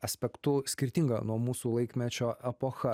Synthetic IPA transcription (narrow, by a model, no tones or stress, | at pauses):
ɐsʲpʲɛkt̪ʊsʲkʲɪɾʲt̪ʲɪŋɡɐ̰nuɔmuːsuːlˠɐɪkʲmʲɛt͡ʃʲoːʔɛpoːxɐ